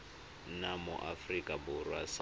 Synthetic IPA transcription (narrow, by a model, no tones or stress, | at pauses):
namʊʔafrikʼabʊrwas